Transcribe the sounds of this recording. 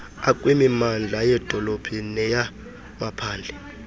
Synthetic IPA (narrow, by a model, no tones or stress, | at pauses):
akʼwimimand͡ɮʱajɛd̥ʱɔlob̥ʱinɛja | mapʰaːnd͡ɮʱɛ